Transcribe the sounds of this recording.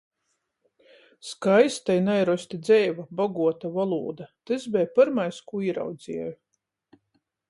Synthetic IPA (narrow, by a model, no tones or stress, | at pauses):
skajst̪ajnajɾɔsʲt̪id̪zʲɛjvabaɡuɔt̪avalˠuːd̪at̪ɨzbɛjpaɾmajskuiːɾa̰wd̪zʲiɛj